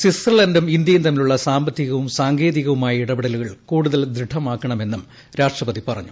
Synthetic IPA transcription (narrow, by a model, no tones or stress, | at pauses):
sisirlɐndumind̪jɐjunt̪ɐmːiluɭːɐsaːmbɐt̪ːiɣɐʋumsaːŋɡe̞ːðiɣɐʋumaːjiɽɐbiɽɐluɣɐɭkuːɽuðɐld̪ɾiɖʰʱːɐmaːkːɐɳɐme̞nːum | ɾaːʂʈrɐpɐðipɐrɐ̰ɲːu